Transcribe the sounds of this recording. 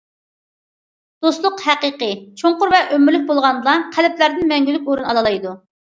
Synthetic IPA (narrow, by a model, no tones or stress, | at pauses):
d̪̥oslˠʊqhæqəqət͡ʃʰoɴqʊɾvɛʔømɪɾlyk̚ʲbolˠʁɑnlˠɑqʰælɪpʰlæɾd̪ɪnmɛŋɡʲylyk̚ʲoɾunɑlˠɑlˠɑjd̪u